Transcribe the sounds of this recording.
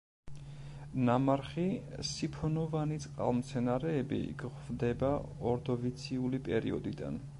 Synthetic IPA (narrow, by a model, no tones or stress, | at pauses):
namaɾχisipʰɔnɔvanit̪sʼqʼa̰lˠmt̪sʰɛnaɾɛːbḭɡʁvd̪ɛbaɔɾd̪ɔvit̪sʰiulipʼɛɾḭɔ̰d̪id̪a̰n